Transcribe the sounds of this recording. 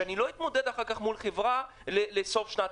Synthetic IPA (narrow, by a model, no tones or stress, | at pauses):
anilo̞it̪mo̞d̪ed̪aχaʁkaχmulχevʁa | leleso̞fʃnat